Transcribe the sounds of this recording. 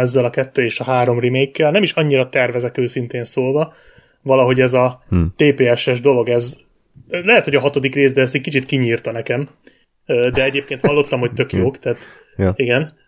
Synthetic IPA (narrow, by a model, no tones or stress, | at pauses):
ɛzːɛlɒkɛt̪ːøːeːʃɒɦaːɾo̞mrimeːjkːɛlnɛmiʃɒɲːiɾɒt̪ɛrvɛzɛkøːsint̪eːnsoːlvɒ | vɒlɒɦo̞ɟɛzɒt̪eːpeːɛʃɛʒd̪o̞lo̞ɡɛz | lɛɦɛt̪hoɒɦɒt̪o̞d̪ikreːzd̪ɛɛs̬t̪ɛckit͡ʃit̪kiɲiːrt̪ɒnɛkɛm | øːd̪ɛɛɟeːp̚keːnt̪hɒlːo̞t̪lɒmhoc̚t̪ø̞kjoːkt̪aːt̪ | iɡɛn